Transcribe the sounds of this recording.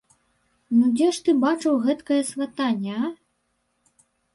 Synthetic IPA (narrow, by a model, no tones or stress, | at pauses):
nud͡zʲɛʂt̪ɨbat͡ʂɨwɣɛt̪kɐjɐsvat̪anʲːɛa